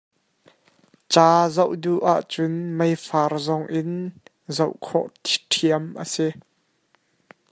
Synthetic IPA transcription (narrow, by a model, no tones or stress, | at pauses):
t͡saːzowduʔaʔt͡sʊnmejfarzɔŋʔɪn | zowʔkʰɔ̰ʔt̪ʰi̥ʈʰiəmʔə̰si